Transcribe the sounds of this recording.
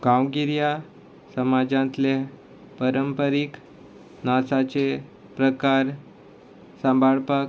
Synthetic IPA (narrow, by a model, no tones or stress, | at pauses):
ɡ̥ãwɡiɾja | səmad͡zãnt̪le | pəɾəmpəɾik | nasat͡se | pɾəkaɾ | sə̃mbʱaɭpak